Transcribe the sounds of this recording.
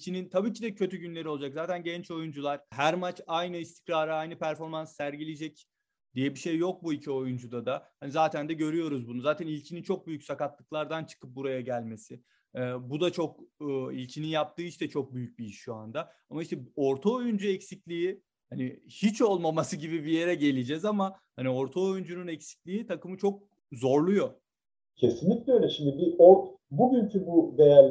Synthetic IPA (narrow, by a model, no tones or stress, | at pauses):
icʰinint̪ʰabiːcʰid̪ɛcʰø̞t̪ʰyɟynlʲeɾio̞lˠad͡ʒakzaːt̪ʰænɟɛnt͡ʃo̞jund͡ʒulˠaɾ̥ɦæɾmat͡ʃajnɯist̪ʰi̥kɾaːɾɯajnɯpʰæɾfo̞ɾmansːæɾɟilʲed͡ʒɛc | d̪̥ijɛbiʃejːo̞k̚buicʰio̞jund͡ʒud̪ad̪ahanizaːt̪ʰænd̪ɛɟø̞ɾyjo̞ɾuzbunuzaːt̪ʰænilʲcʰinint͡ʃʰo̞k̚byjycsakat̪lˠɯklˠaɾd̪ant͡ʃʰɯ̥kʰɯp̚buɾajaɟælʲme̞sɪ | ɛbud̪at͡ʃʰo̞k̚ːilʲcʰininjap̚t̪ɯːiʃt̪ɛt͡ʃʰo̞k̚byjyc̚biiʃʃːuand̪a | amaiʃt̪ɛo̞ɾt̪ʰaojynd͡ʒuɛcsiclʲii | hanihit͡ʃo̞lˠmamasɯɟibibije̞ɾɛɟe̞lʲid͡ʒɛzamahanio̞ɾt̪ʰaojynd͡ʒununɛcsi̥cʲlʲiːt̪ʰakɯmɯt͡ʃʰo̞k̚ | zo̞ɾlˠujo̞ | cʰesinlʲic̚lʲɛøjlʲɛʃimd̪ibiobuɟyncʰybud̪ejælʲ